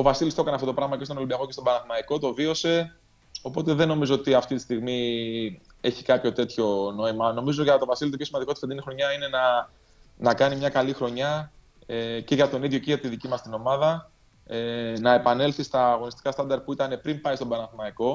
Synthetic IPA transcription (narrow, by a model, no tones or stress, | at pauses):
o̞vɐsilist̪o̞kɐneɐft̪ot̪o̞pɾɐɣmɐcest̪oolimbiɐko̞cet̪obɐɾnɐθmɐiko̞t̪o̞vio̞se̞ | o̞po̞t̪e̞ðe̞no̞mizo̞ot̪iɐft̪it̪i̥st̪iɣmi | e̞çi̥kɐpço̞t̪e̞t̪ço̞no̞imɐno̞mizoʝɐt̪o̞vɐsilit̪opçosimɐnd̪ikot̪ifed̪inixɾo̞ɲɐine̞nɐ | nɐkɐnimɲɐkɐlixɾo̞ɲɐ | eceʝɐt̪o̞niðʝo̞ceʝɐt̪iðicimɐst̪ino̞mɐðɐ | nɐe̞pɐne̞lθist̪ɐːɣo̞nist̪kɐst̪ɐnd̪ɐɾt̪̚puit̪ɐne̞pɾimpɐist̪obɐɾɐθmɐiko̞